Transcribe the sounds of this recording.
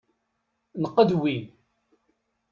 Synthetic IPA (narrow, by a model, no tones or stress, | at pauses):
nəqːəd̪win